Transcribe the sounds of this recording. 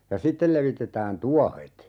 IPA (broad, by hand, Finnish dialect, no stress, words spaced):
jɑ sitːel leʋitetæːn tuɒhet